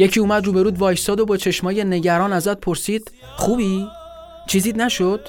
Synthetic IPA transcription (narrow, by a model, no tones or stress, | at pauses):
jecʰiːuːmæd̪ɾuːbe̞ɾuːd̪vɒːjsɒːd̪obɒːt͡ʃʰe̞ʃmɒːje̞ne̞ɟæɾɒːnæzæt̪̚pʰo̞ɾsiːd̪̥ | χuːbiː | t͡ʃʰiːziːd̪næʃod̪̥